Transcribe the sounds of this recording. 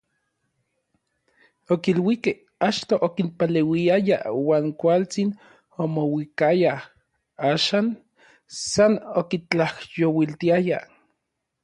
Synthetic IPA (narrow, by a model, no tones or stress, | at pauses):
okilwikeh | at͡ʃt̪oʔokinpalewiaja̰waːŋkʷalt͡sin | omowikaja | aːʃaːn | sanokit͡ɬahjowilt̪iaja̰